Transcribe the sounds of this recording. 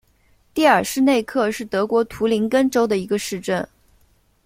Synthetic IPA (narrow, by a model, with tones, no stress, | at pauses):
t̪i˥˩ə̰˞˨˩ʂɻ̩˥˧ne˥˧ɪkʰɤ˥˧ʂɻ̩˥˩t̪ɤ˧˥kwɔ˧˥t̪ʰu˧˥li˧˥ŋkə˥nʈ͡ʂo˥ʊd̪ə˨i˧˥ɡə˧ʂɻ̩˥˧ʈ͡ʂə˥˩n